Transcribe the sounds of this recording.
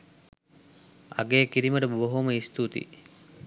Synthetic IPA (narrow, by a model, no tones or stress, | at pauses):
a̰ɡeːkiɾiməʈəboɦoməist̪ut̪ḭ